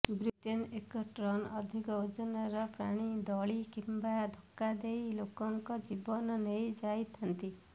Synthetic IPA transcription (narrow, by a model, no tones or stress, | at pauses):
bɾiʈenekɔʈɾɔnɔd̪ʱikɔud͡ʒɔnɔɾɔpɾa̰ɽ̃id̪ɔɭikimbad̪ʱɔkːad̪ejlokɔŋkɔd͡ʒibɔnɔnejd͡ʒajt̪ʰant̪i